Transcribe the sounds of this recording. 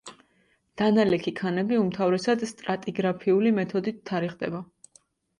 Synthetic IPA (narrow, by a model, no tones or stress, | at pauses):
d̪̥analɛkʰikʰanɛbiumt̪ʰavɾɛsad̪st̪ʼɾat̪ʼiɡɾapʰiulimɛt̪ʰɔd̪it̪ʰːaɾiχd̪ɛ̰ba